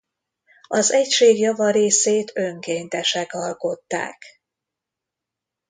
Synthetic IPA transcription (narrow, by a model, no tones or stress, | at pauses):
ɒzɛcʃeːɡjɒvɒɾeːseːt̪ʰø̞ŋkeːnt̪ɛʃɛkɒlko̞t̪ːa̰ːk